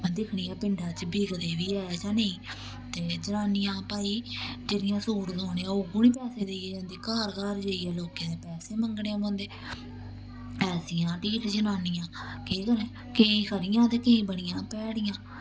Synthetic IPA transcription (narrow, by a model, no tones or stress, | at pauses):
d̪ɪkʰɳiːaːpɪɳɖaːt͡ʃbiːɡd̪eːʋiːɛːd͡ʒãːnəĩː | t̪eːd͡ʒənaːnɪjãːpaːiːd͡ʒeːɾɪjãːsuːɾd̪oːneːãːoːɡʊnĩːpɛːseːd̪eiːd͡ʒãːnd̪iːkaːɾɡaːɾd͡ʒeːiːɛːloːkẽːd̪eːpɛːseːməŋɡɽeːãːbõːnd̪eː | pɛːsiːãːʈiːʈd͡ʒənaːnɪjãːkeːkəlɛː | keːĩːkʰəɾɪjãːt̪eːkeĩːbəɽ̃ɪjãːpɛːɽɪjãː